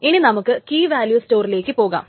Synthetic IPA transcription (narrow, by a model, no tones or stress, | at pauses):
ininɐmukːɨkiːʋaːljuːsto̞ːrile̞ːkːɨpo̞ːɣa̰ːm